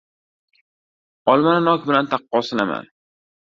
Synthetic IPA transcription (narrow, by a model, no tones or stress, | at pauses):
ɒlˠmanɪnɒkʲbɪlant̪ʰɑqːɒsɪnama̰n